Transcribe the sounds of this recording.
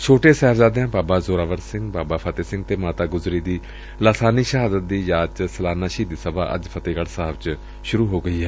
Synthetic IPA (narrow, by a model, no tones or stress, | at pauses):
t͡ʃʰoːʈeːsɛːfzaːd̪eãːbaːbaːzoːɾaːʋəɾsɪŋɡbaːbaːpʰət̪eːsɪŋɡ̚t̪eːmaːt̪aːɡʊzɾiːd̪iː | laːsaːniːʃəɦaːd̪ət̪̚d̪iːjaːt͡ʃsəlaːnaːʃiːd̪iːsəba̰ːʔə̰d͡ʒpʰət̪eːkəɽsaːʋt͡ʃ | ʃʊɾuːɦoːɡəiːɦɛː